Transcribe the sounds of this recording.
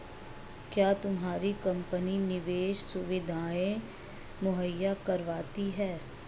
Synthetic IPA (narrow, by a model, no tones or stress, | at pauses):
kjaːt̪ʊmɦaːɾikɐ̃mpəninɪʋeːʃsʊʋɪd̪ʱaːẽ | mʊɦəjːakɐɾʋaːt̪iɦɛː